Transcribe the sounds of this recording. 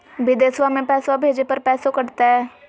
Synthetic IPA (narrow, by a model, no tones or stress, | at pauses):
bɪd̪eːswamẽpɛːsabʱeːd͡ʒepɐɾpɛːsõkɐɾt̪aɦɛː